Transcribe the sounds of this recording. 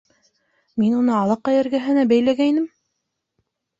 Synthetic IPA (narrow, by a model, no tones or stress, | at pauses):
minunɤɑlˠɤqːɑjɘ̆ɾɡæɦɘ̆næbæjlæɡæinɘm